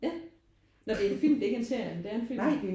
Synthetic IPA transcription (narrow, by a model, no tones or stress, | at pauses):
jæ | nɒd̥e̝enfil̰m̩d̥ee̝ɡəenseɐ̰jnd̥eæɐe̝nfil̰